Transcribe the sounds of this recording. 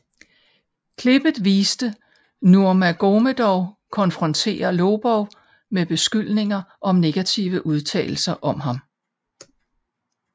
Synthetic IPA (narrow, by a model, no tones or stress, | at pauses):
kʰle̝b̥ð̩ˠʋiːsd̥ə | nuɐmæɡ̥o̝məd̥ɒʊkʰɒ̽nfʁɒ̽nt͡sʰe̝̰ːɐloːb̥ɒʊ | meb̥e̝sɡ̥yl̰ne̝ŋɐʔɒ̽mne̝ɡ̥æt͡sʰiʊəʔuð̞ˠt͡sʰɛ̰ːl̩sɐʔɒ̽mɦɑ̈m